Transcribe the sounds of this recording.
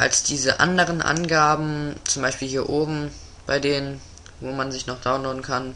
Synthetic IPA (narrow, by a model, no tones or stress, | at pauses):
ʔa̰lsd̥iːzəʔa̰ndəʁ̞ənʔa̰nɡaːbm̩t͡sʊmbaɪʃpiːlhiːɐʔoːbm̩ | b̥aɪdeːnən | voːmanzɪçnɔχd̥aʊnloːdn̩kʰan